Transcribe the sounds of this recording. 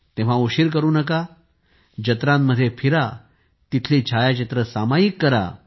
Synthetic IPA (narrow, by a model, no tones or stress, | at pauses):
t̪ẽʋ̤ãuɕiːɾk̬əɾuːnəka | d͡ʑət̪ɾãmːəd̪ʱːjefʰiɾa | t̪it̪ʰliːt͡ɕʰajat͡ɕət̪ɾəsamajikːəɾa̰